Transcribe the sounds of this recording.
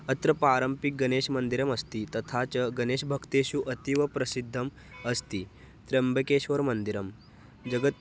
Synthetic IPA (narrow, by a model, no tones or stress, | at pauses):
ət̪ɾəpɾaɾəmpik̚ɡɐneɕmənd̪iɾəmɐst̪it̪ɐt̪ʰat͡ɕəɡɐneɕbʱəkt̪eɕuʔɐt̪iʋɐpɾɐsid̪ʱːəm | əst̪iː | t̪ɾembəkeːɕʋəɾmənd̪iɾəm | d͡ʑəɡət̪